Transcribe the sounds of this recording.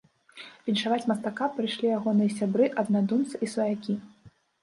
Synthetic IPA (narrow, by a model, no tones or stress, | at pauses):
pʲinʲʂavat͡sʲmɐst̪akapɾɨjʂlʲijaɣɔnɨjɐsʲabɾɨʔɐd̪nad̪umt̪sɨʔisvɐjakʲi